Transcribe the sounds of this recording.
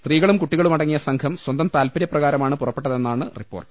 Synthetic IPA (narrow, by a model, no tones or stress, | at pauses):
st̪riːɣɐɭumkuʈːiɣɐɭumɐɽɐŋːijɐsɐŋkʰɐmswɐnd̪ɐmt̪aːlpɐɾjɐprɐɣaːɾɐmaːɳɨpurɐpːe̞ʈːɐðe̞nːaːɳɨripːo̞ːrʈɨ